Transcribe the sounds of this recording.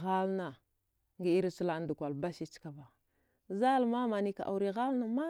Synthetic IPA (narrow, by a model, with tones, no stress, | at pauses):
ɣa˦lna˨ | ŋɡi˦i˦ɾi˦t͡ʃu˦la˨˦n˦du˨kʷa˨lba˦ʃi˦t͡ʃka˨ba˨ | za˦lma˦ma˨ni˦ka̰˨ʔa̰˨wɾi˨ɣa˦lna˨ma˦